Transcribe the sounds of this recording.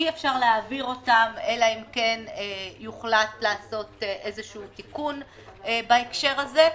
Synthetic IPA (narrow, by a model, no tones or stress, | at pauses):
iefʃaʁleaːviʁo̞tame̞laimkenejuχlatlaːso̞teʔezeʃuːtikun | ebaekʃe̞ʁaze̞